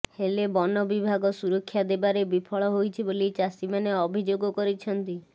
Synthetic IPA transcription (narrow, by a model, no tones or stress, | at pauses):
helebɔnɔbibʱaɡɔsuɾɔkʰːjad̪ebaɾebipʰɔɭɔɦojt͡ʃʰibolit͡ʃasimaneɔbʱid͡ʒoɡɔkɔɾit͡ʃʰɔnt̪i